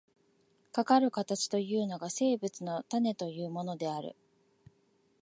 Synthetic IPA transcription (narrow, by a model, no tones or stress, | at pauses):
kakaɾɯ̟kat̪at͡ɕi̥t̪o̞jɯ̟ːno̞ɡase̞ːbɯ̟t͡sɨno̞t̪ane̞t̪o̞jɯ̟ːmo̞no̞d̪e̞aɾɯ̟̰